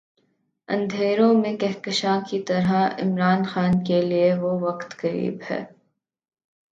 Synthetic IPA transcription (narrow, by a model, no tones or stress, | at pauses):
ɐ̰̃nd̪ʱeːɾõmẽkɛɦkəʃãkit̪ɐɾɦaɪ̰mɾaːnxaːnkelieʋoʋɐqt̪kɐɾḭːbhɛ̰ː